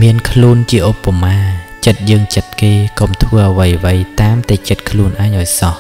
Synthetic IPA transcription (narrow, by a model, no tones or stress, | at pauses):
miənkʰluːənt͡ɕiəʔopːamaːt͡ɕət̪̚jəːŋt͡ɕət̪̚keːkomt̪ʰʋəːʔəʋəjʋəjt̪aːmt̪at͡ɕət̪̚kʰluːənʔaɛɲʔaɔjsɑh